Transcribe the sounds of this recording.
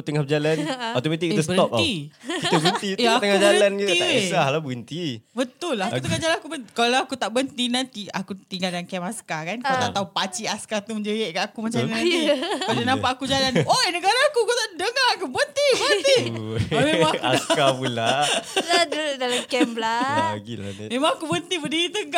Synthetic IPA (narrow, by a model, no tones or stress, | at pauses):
ut̪əŋap̚d͡ʒalanot̪omat̪ikit̪əsbəəɔp̪̚ikit̪ubənt̪it̪aat̪əŋad͡ʒaɾlanɡiiasahlabəɡənt̪ibət̪ʊlahakut̪əŋad͡ʒalanakubənt̪ikalaakut̪aʔbənt̪inant̪iakut̪iŋɡaldaŋankɛmaskakankaut̪aʔt̪aupat͡ʃiaskat̪uməɲd͡ʒəjɛʔkaʔakumat͡ʃamaadanapaʔakud͡ʒalanojnəɡaɾaːkukut̪aʔdəŋakubənt̪ibənt̪imeaa̰skapulaadədalamkɛmblala̰ɡḭl̰memaŋakubənt̪ibədiɾit̪əŋa